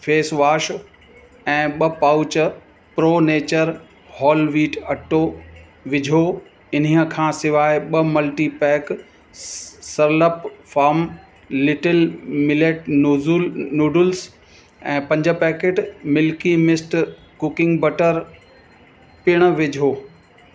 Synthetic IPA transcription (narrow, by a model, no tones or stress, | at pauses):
feːsʋaːʃ | ɛ̃ːɓɐpaːʊt͡ɕə | pɾoːneːt͡ɕəɾ | hɔːlʋiːʈɐʈːoː | ʋɪd͡ʑʱoː | ɪn̤iəkʰãːsɪʋaːɪɓɐmɐlʈipɛːk | sɐɾləpfaːɾm | lːɪʈəlmɪleːʈ | nuːɖʊls | ɛ̰̃ːpɐ̃ɲd͡ʑə̆pɛːkeːʈmɪlkimɪsʈ | kʊkɪ̃ŋɡbɐʈəɾ | pɪɽ̃ə̆ʋɪd͡ʑʱoː